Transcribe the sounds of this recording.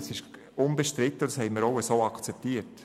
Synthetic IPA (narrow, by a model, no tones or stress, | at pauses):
sɪʃ | ʊnbəʃtɾɪt̪ːədɑshɛɪməɾoʊəsoːɑkt͡sɛp̚tiəɾt